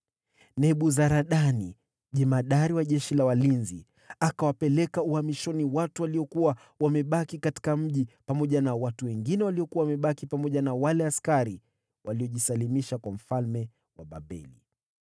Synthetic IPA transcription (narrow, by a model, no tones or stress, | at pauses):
nɛɓuzaɾaɗani | ʄɛmaɗaɾiwaʄɛʃilawalinzi | akawapɛlɛkauhamiʃɔniwatuwaliɔkuwa | wamɛɓakikati̥kam̩ʄipamɔʄanawatuwɛŋɡinɛwaliɔkuwawamɛɓakipamɔʄanawalɛaskaɾi | wʔaliɔʄisalimiʃakwam̩falmɛ | waɓa̰ɓɛ̰lḭ